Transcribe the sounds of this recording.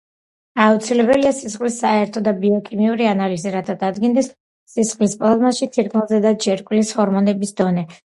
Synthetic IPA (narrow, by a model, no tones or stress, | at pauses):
aut̪sʰilɛbɛliasisχʼlisːaɛɾt̪ʰɔd̪abiɔkʰimiuɾianaliziɾat̪ʰad̪ad̪ɡind̪ɛsː | isχʼlispʼlˠazmaʃit̪ʰiɾkʼʰmɛlˠzɛd̪ad͡ʒɛɾkʼlishɔɾmɔnɛbisd̪ɔnɛ